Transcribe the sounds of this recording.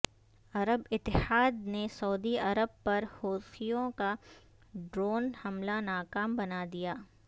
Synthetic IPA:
ɐɾəbɪt̪ːɪhaːd̪nesɐud̪iɐɾəb̚pɐɾhoːsijõka | ɖɾoːnhɐmlanaːkaːmbɐnad̪ijaː

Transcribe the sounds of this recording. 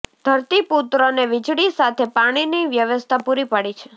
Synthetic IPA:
d̪̥ʱəɾt̪iput̪ɾəneʋɪd͡ʒɽisat̪ʰepaɽ̃iniʋjəʋəst̪ʰapuɾipaɽit͡ʃʰe̥

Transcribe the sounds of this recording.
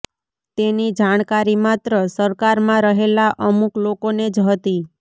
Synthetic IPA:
t̪enid͡ʒaɽ̃kaɾimat̪ɾəsəɾkaɾmãɾəɦelaʔəmuklokoned͡ʒɦət̪i

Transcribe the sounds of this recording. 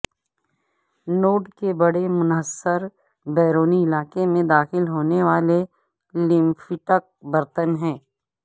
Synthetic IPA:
noːɖkebɐɽemʊnɦəsːəɾ | bɛːɾoːniɪlaːkemẽd̪aːxɪlɦoːneʋaːle | lɪ̃mfɪʈək̚bɐɾt̪ənɦɛ̃ː

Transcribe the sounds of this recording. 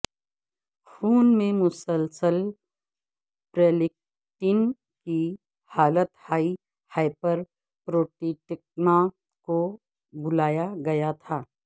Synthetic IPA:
xʰuːnmẽmʊsəlsəl | pɾeːlɪk̚ | ʈin | ki | haːlət̪haːi | haːɪpəɾ | pɾoːʈiʈɪk̚ma | ko | bʊlaːjaɡɐjat̪ʰaː

